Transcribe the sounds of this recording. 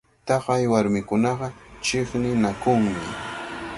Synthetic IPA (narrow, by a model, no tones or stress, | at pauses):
t̪ɑχajwaɾmɪkʊnɑɢɑt͡ʃɪχnɪnakʊŋmɪ